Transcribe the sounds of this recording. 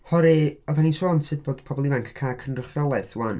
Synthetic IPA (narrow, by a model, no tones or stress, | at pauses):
hɔɾeɔðanisoːnsɨd̚boːd̥pʰɔbɔlˠivaŋkʰkʰːaːkʰənrəχjɔlˠɛθwan